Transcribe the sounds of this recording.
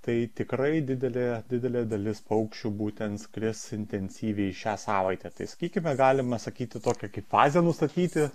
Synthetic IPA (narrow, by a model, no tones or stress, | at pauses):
t̪ɐɪt̪ʲɪkɾɐɪd̪ʲɪd̪ʲɛlʲeːd̪ʲɪd̪ʲɛlʲeːd̪ɐlʲɪspɐʊkʃʲt͡ʃʲuːbuːt̪ʲɛnt̪sklʲɪsɪnʲt̪ʲɛnʲsʲiːʋʲɛɪɪʃʲæːsɑːʋɐɪt̪ʲɛt̪ɐɪsɐ̥kʲiːkʲɪmʲɛɡɑːlʲɪmɐsɐkʲiːt̪ʲɪt̪oːkʲɛkɐɪpfɑːzʲɛnʊst̪ɐt̪ʲiːt̪ʲɪ